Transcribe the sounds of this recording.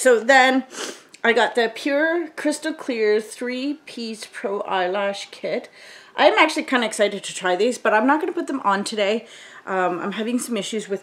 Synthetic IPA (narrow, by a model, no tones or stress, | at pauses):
soʊðɨ̃nʔaɪɡɑt̪̚ðɨpʰj̥ʊɹkʰɹ̥ɪstl̩ˠkʰl̥ɪɹθɹipʰiz̥pʰɹ̥oʊʔa̰ɪlæʃkʰɪɾʔã̰ɪɨ̃mæk̚t͡ʃʉl̩ˠikʰãɪ̃ndɨɨksaɪɾɨd̚tʰɨtʰɹ̥aɪðizbʌɾãɪ̃mnət̚ɡ̥ʌnəpʰʊt̪̚ðə̃mʔə̃ntʰɨɾeɪ | ʔʌ̃mãɪ̃mɦævɪ̃ŋsʌ̃mɪʃʉzwɨð̥